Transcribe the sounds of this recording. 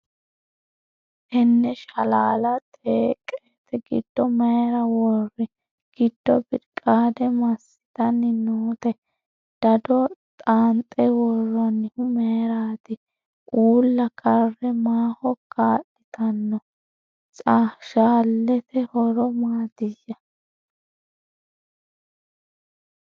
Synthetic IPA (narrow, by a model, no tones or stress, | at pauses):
ʔɛnːɛʃɐlaːlɐt̪ʼeːkʼːet̪ɛɡɪ̰d̪̥ːɔmɛjɾɐwɔrːɪ | ɡ̥ɪd̪̥ːɔbɪɾkʼaːd̪ɛmɐsːɪ̥t̪ɐnːɪnoːt̪ɛ | d̪̥ɐd̪ɔt̪ʼaːnt̪ʼɛwɔrːɔnːɪhʊmɛjɾaːt̪ɪ | ʔuːlːɐkʰɐrːɛmaːhɔkʰaːʔɪt̪ɐnːɔ | t͡sʼaʃaːlːɛt̪ɛhɔɾɔmaːd̪ɪjːɐ